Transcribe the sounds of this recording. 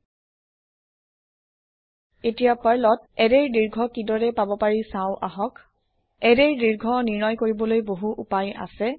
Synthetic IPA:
etijapaɹlɔt̚ɛdeɹdiɹɡʱɔkidɔɹɛpabɔpaɹisãʊ̃ʔa̰ɦɔk | ɛdeɹdiɹɡʱɔniɹnɔjkoɹibɔlojboɦuʔupaja̰sɛ

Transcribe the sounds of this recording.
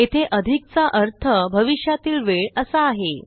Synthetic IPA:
et̪ʰeʔəd̪ʱik̚t͡saʔəɾt̪ʰəbʱəʋiʂjat̪iːlʋeɭəsəːɦe

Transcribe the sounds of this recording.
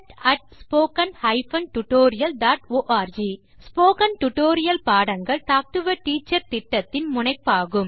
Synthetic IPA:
ʈɐʈ̚spoːkɐnhɐɪfɐnʈʊʈoːɾɪjɐlɖaːʈoːʔaːɾd͡ʒi | spoːkɐnʈʊʈoːɾɪjɐlpaːɽɐŋɡɐɭt̪aːk̚ʈɯʋɐʈiːt͡ʃːɐɾt̪ɪʈːɐt̪ːɪnmʊɳɐɪpːaːɣɯm

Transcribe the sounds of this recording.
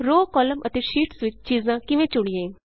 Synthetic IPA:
ɾoːkɔːləmət̪eːʃiːʈsʋɪt͡ʃt͡ʃiːzãːkɪʋẽːt͡ʃʊɽijẽː

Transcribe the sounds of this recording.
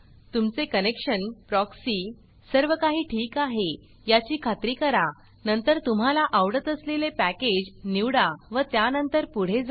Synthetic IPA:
t̪umt͡sekənekɕənpɾɔksiː | səɾʋəkaɦiːʈʰiːkaɦe | jat͡ɕiːkʰat̪ɾiːkəɾa | nənt̪əɾt̪um̤alaʔaʋɽət̪əslelepæked͡ʑniʋɽaʋət̪janənt̪əɾpuɽ̤ed͡za

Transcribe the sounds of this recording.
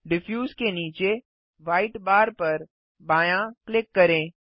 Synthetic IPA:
ɖɪfʰjuːzkeniːt͡ʃe | ʋaːɪʈbaːɾpɐɾ | baːjãklɪkːɐɾẽː

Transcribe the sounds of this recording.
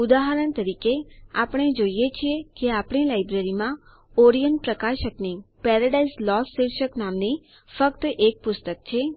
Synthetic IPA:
ʊd̪aɦəɾənt̪əɾikeapəɽ̃ed͡ʒoijet͡ʃʰiekeapɳ̃ilajbɾeɾimã | ɔɾijənɖ̚pɾəkaʃəknipɛɾəɖaislɔsːiɾʃəknamni | fəkt̪ʔek̚pʊst̪ək̚t͡ʃʰe

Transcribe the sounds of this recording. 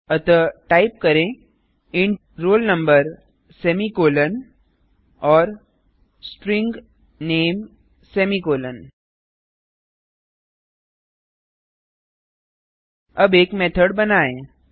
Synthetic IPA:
ɐt̪ɔʈaːɪp̚kɐɾẽ | ɪ̃ɳʈ | ɾoːlnə̃mbəɾ | seːmikoːlən | ɔːɾ | sʈɾɪ̃ŋɡ | neːm | sɛːmikoːlən | ɐbeːkmeːt̪ʰəɖbɐnaːẽː

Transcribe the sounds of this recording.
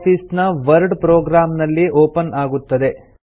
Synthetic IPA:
pʰiːsnɐʋɐɾɖpɾoːɡɾaːmnɐlːiʔoːpɐnaːɡut̪ːɐd̪e

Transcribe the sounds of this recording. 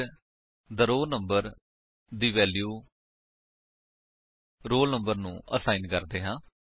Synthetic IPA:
d̪əɾoːnəmbəɾ | d̪iːʋɛːljuː | ɾoːlnəmbəɾnũːʔə̰saːinkəɾd̪eːɦãː

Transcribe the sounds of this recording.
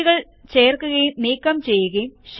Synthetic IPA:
ɣɐɭ | t͡ɕeːrkːuɣɐjumniːkːɐmt͡ɕejːuɣɐjumɕ

